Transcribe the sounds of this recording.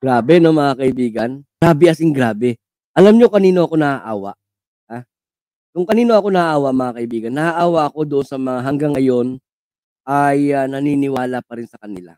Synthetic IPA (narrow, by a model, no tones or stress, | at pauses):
ɡ̥ɾaːbɛno̞mɐŋakɐʔɪbiːɡɐnɡɾaːbɛʔɐsɪŋɡɾaːbɛ | ʔɐlamɲokɐniːno̞ʔɐko̞nɐʔaʔa̰ːwa̰ʔ | a | kʊŋkɐniːno̞ʔɐko̞nɐʔaʔaːwaʔmɐŋakɐʔɪbiːɡɐnːɐʔaʔaːwaʔɐko̞d̪ʊʔonsɐmɐŋaɦɐŋɡaŋːɐjo̞n | ʔajanɐniːnɪwaːlapɐɾɪnsɐkɐnɪla̰